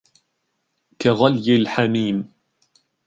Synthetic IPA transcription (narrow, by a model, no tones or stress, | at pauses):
kaɣaljɪlħamiːm